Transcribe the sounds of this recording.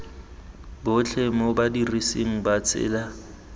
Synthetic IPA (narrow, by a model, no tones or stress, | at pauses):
bʊt͡ɬʰemɔbadiriseŋ̩bat͡sʰʼɪ̰ːla